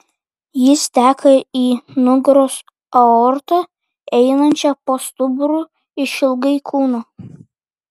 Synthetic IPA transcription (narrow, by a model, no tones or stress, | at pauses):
jɪst̪ʲæːkʰɐiːnʊɡɾoːs | ɐoːɾt̪ɐ | ɛɪnɐnʲt͡ʃʲɛpoːst̪ʊbʊɾu | ɪʃʲɪlˠɡɐɪkʰuːnoː